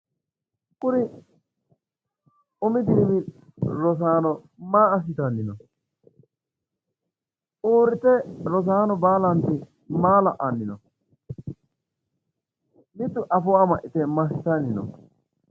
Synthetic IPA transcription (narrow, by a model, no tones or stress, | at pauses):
kʊɾɪ | ʊmɪd̪iːbɪ | ɾɔs̬aːnɔ | maːɐs̬ɪt̪ɐnːɪnɔ | ʔoːɾɪt̪ɛɾɔs̬aːnɔbaːlɐnt̪ɪ | maːlɐʔɐnːɪnɔ̰ | mɪt̪ːʊʔɐfɔamɐʔɪt̪ɛmɐs̬ɪt̪ɐnːɪnɔ̰